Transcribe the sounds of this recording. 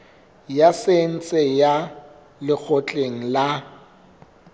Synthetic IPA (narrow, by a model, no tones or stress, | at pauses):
jasen̩t͡sʼɛja | lɪk͡xʰɔt͡ɬʼeŋ̩la